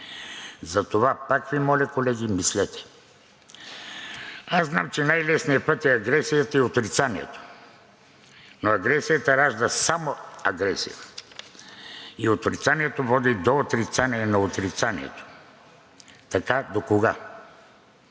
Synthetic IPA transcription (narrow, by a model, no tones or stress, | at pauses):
zɐt̪ovapakvimɔlʲɛkolɛɡimislɛt̪ɛ̥ | aznamt͡ʃɛnajlɛsnijəpət̪ɛɐɡɾɛsijət̪əiot̪ɾit̪saniɛ̰t̪o̥ | noɐɡɾɛsijət̪əɾaʒd̪əsamoɐɡɾɛsḭjə̰ | iot̪ɾit̪saniɛt̪ovɔd̪id̪oot̪ɾit̪saniɛnɐot̪ɾit̪sanḭɛ̰t̪o̥ | t̪ɐkad̪okoɡa